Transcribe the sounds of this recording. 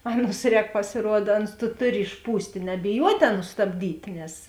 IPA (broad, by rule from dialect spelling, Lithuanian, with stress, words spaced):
ˈɑːˌnʊs ˈrʲɛːk pɐsʲɪˈruɔdɐ ˈɑːˌnʊs tʊ ˈtʊˌrʲɪ ɪʃˈpuːsʲtʲeː nʲɛbʲɪˈjuɔtʲeː ˈɑːˌnʊs stɐbʲˈdʲiːtʲeː nʲɛs